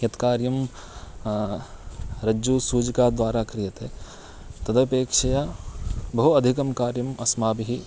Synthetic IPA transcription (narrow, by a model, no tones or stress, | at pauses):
jɐt̪kaːɾjɐm | ɾɐd͡ʒusuːd͡ʒkaːd̪ʋwaːɾaːkɾijɐt̪e | t̪ɐd̪ɐpeːkʂɐjaːbɐɦuɐd̪ʱikɐmkaːɾjɐmɐsmaːbɦi